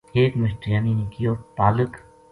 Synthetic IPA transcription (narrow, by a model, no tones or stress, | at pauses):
eːkmɪsʈɾjaːninikijoːpaːlək